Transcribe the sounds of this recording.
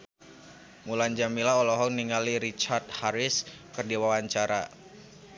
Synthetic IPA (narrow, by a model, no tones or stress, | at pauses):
muland͡ʒamilaɔlɔɦɔŋniŋaliɾit͡ʃart̪̚haɾɪskɨrdiwawaɲt͡ʃaɾa